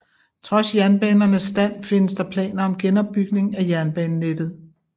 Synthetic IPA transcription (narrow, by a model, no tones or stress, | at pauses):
t͡sʰʁɒ̽sjæɐnb̥ɛːnɐnəsːd̥æn̰fe̝nəsd̥ɑ̈pʰlɛ̰ːnɐɒ̽mɡ̥enɒ̽b̥ːyɡ̥ne̝ŋæjæɐnb̥ɛːnːed̥ð̞̩ˠ